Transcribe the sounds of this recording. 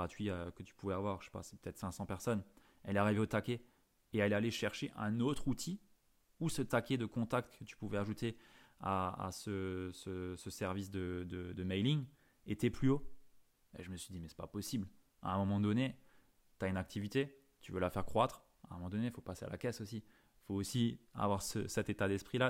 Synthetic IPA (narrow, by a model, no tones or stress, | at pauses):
at̪ɥiakət̪y̥puvɛavwaʁəʃe̥pa̰sɛ̥pə̥t̪ɛt̪χsɛ̃sɑ̃pɛʁsɔn | ɛlɛaʁiveot̪akʲe | eɛlɛaleʃɛʁʃeʔɛ̃not̪χut̪ʰi | usət̪akʲed̪əkɔ̃t̪ak̚t̪kət̪y̥puvɛaʒut̪ea̰a̰səsəsəsɛʁvis̬d̪əd̪əd̪əmɛjliŋ | et̪ɛplyo | ḛʒəməsɥid̪imɛsɛ̥pa̰pɔsibl | a̰ɛ̃mɔmɑ̃d̪ɔne | t̪yaynak̚t̪ʰivit̪e | t̪yvølafɛʁkχwat̪χ | ãə̃mɑ̃d̪ɔnefopasea̰la̰kʲɛsosi | foːsia̰vwaʁsə̰sɛt̪et̪ad̪ɛspχila